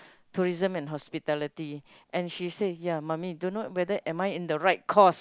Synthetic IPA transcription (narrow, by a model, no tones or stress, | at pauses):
tʰuɹizə̃mɛ̃nɦɔspitɛlitiʔɛ̃nʃisejamãmidõnot̚wɛdəʔɛ̃majĩndəɹaɪt̚kʰɔs